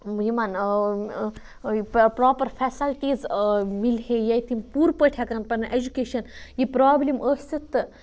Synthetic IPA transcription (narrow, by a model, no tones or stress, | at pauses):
jiman | pɾaːpɐɾfʰɛsɐlʈiːzmilɦejɐjt̪ʰimpuːɾpəʈʰjakɐɾɐnpɐnʔed͡ʒukeːʃɐnjipɾaːbliməsit̪ːɨ